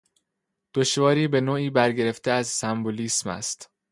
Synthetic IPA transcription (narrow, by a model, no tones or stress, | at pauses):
d̪̥oʃvɒːɾiːbe̞noːiːbæɾɟe̞ɾe̞ft̪ʰeæzsæmboliːsmæ̰st̪